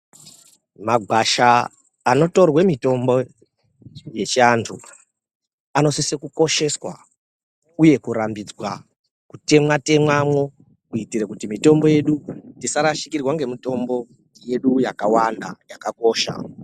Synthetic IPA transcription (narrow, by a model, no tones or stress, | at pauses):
maɡʱwaʃaː | no̞to̞rwemito̞mbo̞ | je̞t͡ʃiantʰṵ | ano̞sisekuko̞ʃe̞swa̰ | uje̞kuɾambid͡zwa | kute̞mwate̞mwamwo̞ | kuitirekutimito̞mbo̞je̞ɗutisaɾaʃi̥kirwaŋɡe̞mito̞mbo̞ | je̞ɗujakawanda̰jakako̞ːʃa̰